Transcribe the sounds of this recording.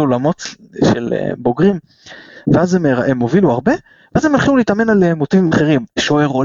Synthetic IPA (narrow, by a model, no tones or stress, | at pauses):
olamo̞t̪ | ʃḛlḛbo̞ɡʁim | veazemeʁemo̞viluaʁbe̞ | veazemelχiuleit̪amenalemotivimaχeʁimʃoeʁol